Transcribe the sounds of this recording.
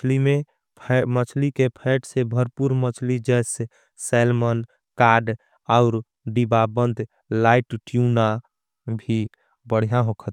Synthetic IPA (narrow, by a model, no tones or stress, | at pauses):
t͡ʃʰlime | mət͡ʃʰlikepʰɛɪʈsebʱəɾpuɾmət͡ʃʰlid͡ʒɛɪse | sɛlmən | kaɾɖ | ɔʊɾ | ɖibabənd̪ʱ | laɪʈʈjuna | bʱi | bəɽ̤ijãɦokʰət̪